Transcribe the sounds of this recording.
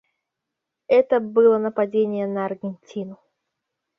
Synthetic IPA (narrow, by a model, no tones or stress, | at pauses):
ɛt̪əbɨlˠənəpɐdʲenʲɪjənəɐrɡʲɪnʲtʲinʊ